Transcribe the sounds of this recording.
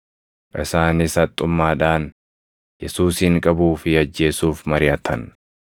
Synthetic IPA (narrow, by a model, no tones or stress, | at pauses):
ʔɪsaːnɪsɐt̪ʼːʊmːaːᶑaːn | jɛsuːsiːŋkʼɐbuːfɪɐd͡ʒːe̞ːsuːfmɐɾɪjɐt̪ʰɐn